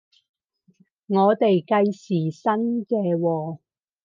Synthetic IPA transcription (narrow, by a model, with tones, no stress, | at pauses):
ŋɔː˨˧t̪e˨jkɐ˧jsiː˨˩sɐ˥nkɛː˧wɔː˧